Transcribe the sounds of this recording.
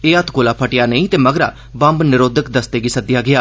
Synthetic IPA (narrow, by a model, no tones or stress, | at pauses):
eːət̪ʰɡoːlaːpʰəʈɪjaːnəĩːt̪eːməɡɾa̰ː | bə̃mbnɪɾoːd̪ək̚d̪əst̪eːɡisəd̪ɪjaːɡɪjaː